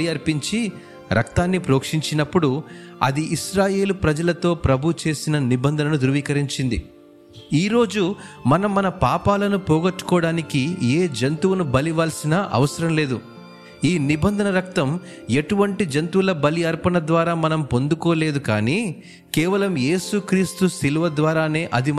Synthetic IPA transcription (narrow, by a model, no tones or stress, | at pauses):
iɐɾpiɲt͡ʃi | ɾʔɐ̰kt̪aːnːipɾoːkʂiɲt͡ʃinɐpːuɽuɐ̰d̪iʔiʃɾaːje̞ːlupɾɐd͡ʒɐlɐt̪o̞ːpɾɐbʱut͡ʃe̞ːsinɐnibɐnd̪ʱɐnɐnud̪uɾuʋiːkɐɾiɲt͡ʃind̪i | iːɾo̞ːd͡ʒumɐnɐmːɐnɐpaːpaːlɐnupɔːɡɐʈːu̥kɔːɽaːnikieːd͡ʒɐnt̪uwɐnubɐliʋaːlsinɐʔɐ̰ʋɐsɐɾɐmle̞ːd̪u | iːnibɐnd̪ʱɐnɐɾɐk̚t̪ɐm | e̞ʈuʋɐɳʈid͡ʒɐnt̪uːlɐbɐliɐɾpɐnɐd̪ʋaːɾaːmɐnɐmpo̞nd̪ukoːle̞ːd̪uka̰ːni | kɛːʋɐlɐmje̞ːsukɾiːst̪usiluʋɐd̪ʋaːɾaːne̞ːʔɐd̪i